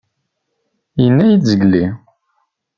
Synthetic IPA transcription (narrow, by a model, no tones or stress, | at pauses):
jənːæjit͡szəɡli